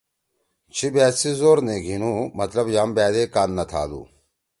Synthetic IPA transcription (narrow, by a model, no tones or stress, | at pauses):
t͡ɕʰibɛːt̪sizoːɾneːɡʱinuːmɐt̪lɐbjaːmbɛːd̪eːkaːnːɐt̪ʰa̰ːd̪ṵː